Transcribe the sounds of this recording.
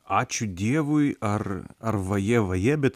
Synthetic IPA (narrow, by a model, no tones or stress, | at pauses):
ɑːt͡ʃʲʊd̪ʲiɛʋʊjɐrɐrʋɐjɛʋɐjɛbʲɛt̪